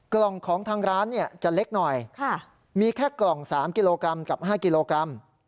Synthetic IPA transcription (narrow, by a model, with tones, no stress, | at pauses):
klɔ˨˩ŋkʰɔː˩˦ŋt̪ʰaː˧ŋɾaː˦˥nːi˥˩ɐt͡ɕa˨˩le˦˥k̚nɔ˨˩jkʰa˧˥˩ | miː˧kʰɛː˥˩klɔ˨˩ŋsaː˩˦mki˧loː˧kɾa˧mka˨˩p̚ɦaː˥˩ki˧loː˧kɾa˧m